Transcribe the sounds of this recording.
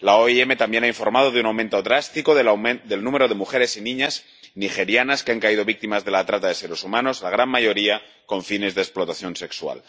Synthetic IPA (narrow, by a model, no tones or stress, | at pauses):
laoieme̞t̪ambje̞naiɱfo̞ɾmað̞o̞ðeunawment̪o̞ðɾast̪ikoðd̪e̞lnũme̞ɾo̞ð̞e̞muxe̞ɾe̞sinĩɲaz | nixe̞ɾjanaskeaŋkaið̞oβik̚t̪imazðe̞lat̪ɾat̪aðe̞seɾesumãno̞zlaɣ̞ɾanmaʝo̞ɾia | ko̞ɱfine̞zðesplo̞t̪aθjõ̞nse̞kswa̰l